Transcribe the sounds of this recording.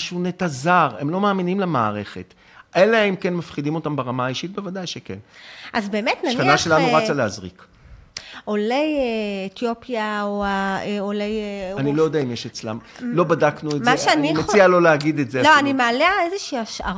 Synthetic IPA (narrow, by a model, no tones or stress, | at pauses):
ʃunet̪azaʁemlo̞maːminimlamaːʁe̞χet | ʔeleimkenmafχidimo̞tambeʁamaːiʃit̚bevadajʃekḛnʔazbeːmetnaʃnanaʃelanuʁat͡saleazʁḭk | olejeetjo̞pjaoaeolejanilo̞jod̪aimjeʃet͡sla̰mlo̞badaknuezmaʃeanimet͡sialo̞leaɡid̪etzeloanimealeaezeʃiːaʃa̰ʁ